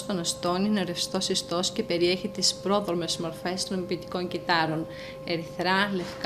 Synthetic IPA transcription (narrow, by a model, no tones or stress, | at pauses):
t̪onɐst̪o̞nineɐɾefst̪o̞sist̪o̞sce̞pe̞ɾie̞çit̪ispɾo̞ðome̞zmo̞ɾfe̞st̪onomipit̪i̥ko̞ɲɟit̪ɐɾo̞n | eɾiθɾɐle̞fk